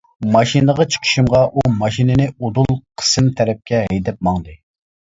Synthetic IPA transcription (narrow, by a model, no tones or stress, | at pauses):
mɑʃinəʁɑt͡ʃʰə̥qʰə̥ʃɨmʁɑʔumɑʃinɪnɪod̪ulˠqʰə̥sɨmt̪ʰɛɾɛp̚kʲɛɦɛjd̪ɛp̚mɑŋd̪ɨ